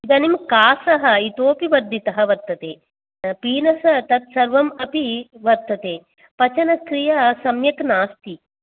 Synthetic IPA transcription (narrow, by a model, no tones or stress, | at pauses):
id̪ɐnimkaːsɐɦɐ̆it̪oːpiʋɐɾd̪ʱit̪ɐɦɐ̆ʋɐɾt̪ːɐt̪eː | piːnɐsɐt̪ɐt̪̚sɐɾʋɐmɐpiʋɐɾt̪ːɐt̪eː | pɐt͡ʃɐnɐkɾijɐsɐmjɐknaːst̪i